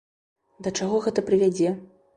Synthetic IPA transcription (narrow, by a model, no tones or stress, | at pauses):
d̪ɐt͡ʂaɣɔɣɛt̪ɐpɾɨvʲad͡zʲɛ